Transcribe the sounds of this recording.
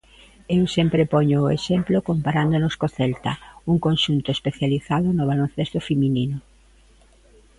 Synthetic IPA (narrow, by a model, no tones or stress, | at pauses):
ewsempɾepɔɲʊːeʃemplokompaɾand̪onoskoθɛlt̪ɐuŋkonʃunt̪ʊespeθjaliθaðʊnoβ̞alon̟θest̪ʊfemininʊ